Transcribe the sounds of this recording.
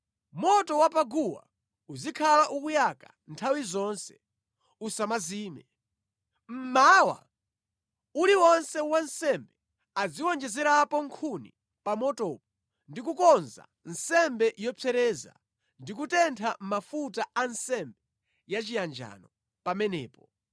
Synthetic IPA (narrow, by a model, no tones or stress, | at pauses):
mɔtɔwapaɡuwa̰ | uzikʰalaʔukujakḁ | ntʰawizɔnsɛ̥ | usamaziːmɛ | m̩mawa̰ | uliwɔnsɛwansɛmbɛ | ad͡ziwɔnd͡ʒɛzɛɾapɔŋkʰunḭ | pamɔtɔːp̚ɔ | ndikukɔnza̰ | nsɛmbɛʔjɔpʰɛɾɛːza̰ | ndik̬utɛntʰam̩mafutaʔansɛmbɛ | jat͡ʃijand͡ʒa̰nɔ | pamɛnɛ̰ːpɔ